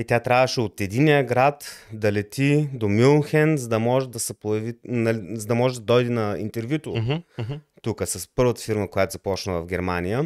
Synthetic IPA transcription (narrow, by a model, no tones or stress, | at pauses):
it̪ʲjat̪ɾʲavəʃɛot̪ɛd̪inijəɡɾat̪d̪ɐlɛt̪id̪omilˠnxɛnzɐd̪ɐmɔʒɛd̪ɐsɛpojɐvinɐlizɐd̪ɐmɔʒɛd̪ɐd̪ɔjd̪ɛnɐḭnt̪ɛɾvjut̪o | t̪ukəsɐspɤɾvət̪ə̥fiɾməkojat̪ozɐpɔt͡ʃnəvɐvɡʲɛɾmanijə